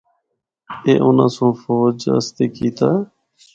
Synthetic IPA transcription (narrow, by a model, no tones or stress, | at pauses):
eːʔʊnã̰ːsõːfoːd͡ʒə̰st̪eːkiːt̪aː